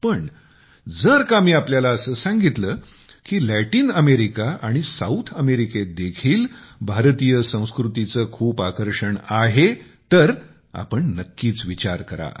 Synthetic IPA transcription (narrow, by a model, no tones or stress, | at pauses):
pəɳ | d͡zəɾkam̤iːapljalaəsəːsãŋɡit̪ləː | kiːlæʈiːnəmeɾikaʔaɽ̃isa̰ut̪ʰəmeɾiked̪ekʰiːlbʱaɾt̪ijəsə̃w̃skɾut̪it͡səːkʰuːpakəɾʂəɳaɦet̪əɾ | a̰pəɳnəkːiːt͡sʋit͡ɕaɾkəɾa̰